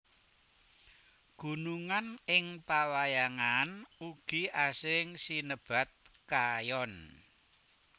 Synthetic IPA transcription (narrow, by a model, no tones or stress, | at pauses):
ɡ̥ṳnuŋanɪŋpawajaŋanuɡ̥iasɪŋsinəb̥a̤t̪̚kajɔn